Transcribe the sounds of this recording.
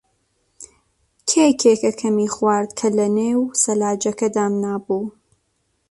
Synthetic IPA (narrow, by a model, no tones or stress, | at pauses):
kʰekʰeːkɐkʰɐmiːxwaːɾd̪kʰɐlɐneːwsɐlaːd͡ʒɐkɐd̪aːmnaːbuː